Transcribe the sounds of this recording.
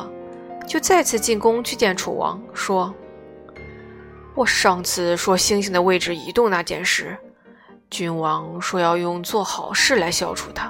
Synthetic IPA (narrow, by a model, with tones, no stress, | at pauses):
t͡ɕjo˥˧ʊt͡sa˥˧ɪt͡sʰɹ̩˥˧t͡ɕi˥˩nkʊ˥ŋt͡ɕʰy˥˧t͡ɕjɛ˥˩nʈ͡ʂʰṵ˨˩wɑ̰˧˥ŋʂwɔ˥ | wɔ˨˩ʂɑ˥˧ŋt͡sʰɹ̩˥˩ʂwɔ˥ɕi˥ŋɕi˧˥ŋd̪ə˧we˥˩ɪʈ͡ʂɻ̩˥˩i˧˥t̪ʊ˥˧ŋna˥˧˩t͡ɕjɛ̰˥˧nʂɻ̩˥˩ | t͡ɕy˥nwɑ˧˥ŋʂwɔ˥jɑ˥˧ʊjʊ˥˧ŋt͡swɔ˥˩xɑ˨˩ʊʂɻ̩˥˩la˧˥ɪɕjɑ˥ʊʈ͡ʂʰṵ˨˩t̪ʰa˥